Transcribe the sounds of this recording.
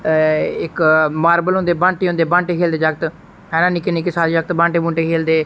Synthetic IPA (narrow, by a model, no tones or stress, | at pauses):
ɪkmaːɾbəlɦʊ̃nd̪eːbãːɳʈeːɦʊ̃nd̪eːbãːɳʈeːkʰeːld̪eːd͡ʒəɡ̚t̪ | ɛ̃ːnãːniːkeniːkɪsaːɾiːd͡ʒəɡ̚t̪bãːɳʈeːbũːɳʈeːkʰeːld̪eː